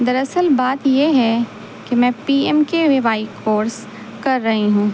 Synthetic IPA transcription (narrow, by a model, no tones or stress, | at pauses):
d̪ɐɾɐsəlbaːt̪jeɦɛ | kemɛ̃ːpiːɛmkeʋeʋaːikʰoːɾs | kɐɾːɐɦiɦũː